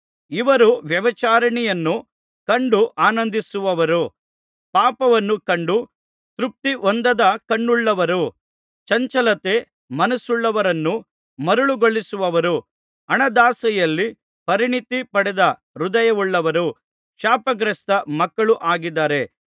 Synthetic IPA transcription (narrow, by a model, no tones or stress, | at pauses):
iʋɐɾuʋjɐʋɐt͡ʃaːɾɐɳijɐnːu | kɐɳɖuʔaːnɐnd̪isuʋɐʋɐɾu | paːpɐʋɐnːukɐɳɖu | t̪ɾup̚t̪iʔond̪ɐd̪ɐkɐɳːuɭːɐʋɐɾu | t͡ʃɐɲt͡ʃɐlɐt̪e̞ | mɐnɐsuɭːɐʋɐɾɐnːu | mɐɾuɭuɡoɭːisuʋɐʋɐɾu | ɐɳɐd̪aːsɐjɐlːi | pɐɾiɳit̪ipɐɽɛd̪ɐ | ɾud̪ɐjɐʋuɭːɐʋɐɾu | kʂaːpɐɡɾɐst̪ɐmɐkːɐɭuʔaːɡid̪ːaːɾe̞